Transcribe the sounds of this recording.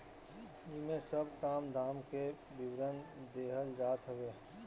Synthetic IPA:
ɪmẽsəbkaːmd̪ʱaːmke | bɪwɾənd̪eːɦəld͡ʒaːt̪ɦəweː

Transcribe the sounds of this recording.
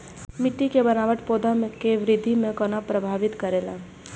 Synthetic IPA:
mɪʈːikebənaːʋəʈpoːd̪ʱamekeʋɾɪd̪ʱːimẽkɔnapɾəbʱaːʋɪt̪kəɾeːlaː

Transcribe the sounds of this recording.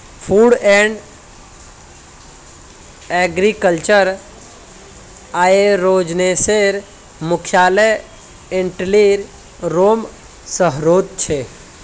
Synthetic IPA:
pʰuːɽɛɳɖ | ɛɡɾikəlt͡ʃəɾ | aːeɾoːd͡ʒneseɾ | mʊkʰjaːləj | eɳʈliɾ | ɾoːm | səɦɾoːt̪̚t͡ʃʰe

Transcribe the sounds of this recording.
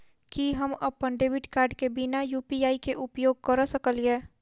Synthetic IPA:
kiɦəmɐpːənɖeːbɪʈkaːɾɖkebɪnajuːpiaːikeʔʊpjoːɡ̚kəɾəsəkəliẽː

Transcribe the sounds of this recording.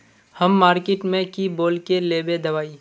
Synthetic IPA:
hɐmːaːɾkeːʈmẽkiboːlkeleːbed̪ɐʋaːiː

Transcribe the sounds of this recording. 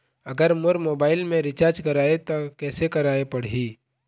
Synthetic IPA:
ɐɡəɾmʊɾmoːbaːɪlmẽɾɪt͡ʃaːɾd͡ʒkɐɾaːet̪okɛːsekɐɾaːepɐɽ̤iː

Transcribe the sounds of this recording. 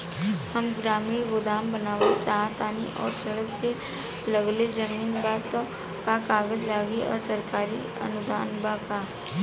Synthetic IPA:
hɐmɡɾaːmiːɾbʊd̪aːmbənaːʋət͡ʃaːɦt̪aːniʔɔ̰ːɾsɐɽəkse | ləɡled͡ʒəmiːnbaːt̪ | kakaːɡəd͡ʒlaːɡiʔɔ̰ːɾsɐɾkaːɾi | ɐ̰nʊd̪aːnbaka

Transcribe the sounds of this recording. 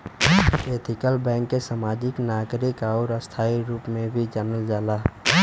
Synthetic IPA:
et̪ʰɪkəlbɛ̃ːŋkːesaːmaːd͡ʒɪknaːkɾɪkɔːɾəst̪ʰaːiɾuːpmẽbʱid͡ʒaːnəld͡ʒaːlaː

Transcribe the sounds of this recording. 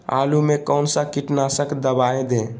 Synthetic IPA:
a̰lumekəʊnsə̃kiʈnasəkd̪əbajẽd̪ẽ

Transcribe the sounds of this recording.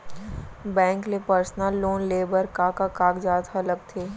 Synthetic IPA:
bɛ̃ːŋklepəɾsnəlːoːnleːbəɾkaːkakaːkd͡ʒaːt̪hɐlək̚t̪ʰeː

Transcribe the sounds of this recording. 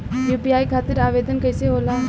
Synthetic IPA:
juːpiaːjkʰaːt̪ɪɾaːʋeːd̪ənkɐjseɦoːlaː

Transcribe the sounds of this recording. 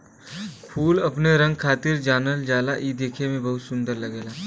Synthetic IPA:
kʰuːlɐpneɾɐ̃ŋɡkʰaːt̪ɪɾd͡ʒaːnəld͡ʒaːlaʔiːd̪eːkʰemẽbɐɦʊt̪sʊ̃nd̪əɾlɐɡeːlaː

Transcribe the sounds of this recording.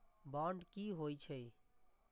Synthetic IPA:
baɳɖkiɦojt͡ʃʰəj

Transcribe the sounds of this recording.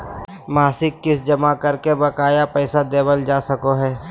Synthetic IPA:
maːsɪkːɪsd͡ʒɐmakɐɾkebɐkaːjapɛːsad̪eːbəld͡ʒaːsɐkoɦɛː

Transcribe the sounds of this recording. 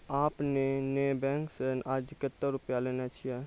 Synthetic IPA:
aːpnenebɛ̃ːŋksenaːd͡ʒɪkət̪ːəɾʊpjaleːnat͡ʃʰijɛ

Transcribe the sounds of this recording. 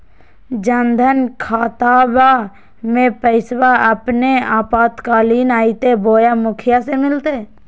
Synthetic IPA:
d͡ʒənd̪ʱənkʰaːt̪aːba | mẽpəɪswaəpneaːpaːt̪kaːliːnaːit̪eboːjamʊkʰɪjasemɪlt̪eː

